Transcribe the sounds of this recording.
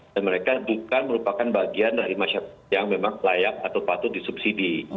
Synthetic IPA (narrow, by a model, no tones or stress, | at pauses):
danməɾekabukanməɾupakanbaɡiandaɾimaʃaɾajaŋmemaŋlajak̚at̪awpat̪ʊt̪̚disupsidi